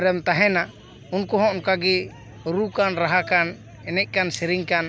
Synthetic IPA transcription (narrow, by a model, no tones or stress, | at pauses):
ɾɛmt̪aɦɛna | unkɔɦɔ̃ɔnkaɡi | ɾukanɾaɦakan | ɛnɛc̚ˀkansiɾiŋkan